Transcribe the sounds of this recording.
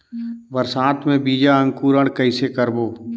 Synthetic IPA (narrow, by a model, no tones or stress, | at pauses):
bəɾsaːt̪ʰmẽbiːd͡ʒaə̃ŋkuːɾəɽ̃kəɪsekəɾboː